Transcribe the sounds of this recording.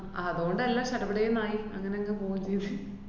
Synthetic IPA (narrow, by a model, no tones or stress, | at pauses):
ɐðuɣo̞ɳɖɨelːaːɕɐʈɐʋiɽɐjunːaːjiɐŋːɐne̞ɐŋɡepoːjumt͡ɕejunːi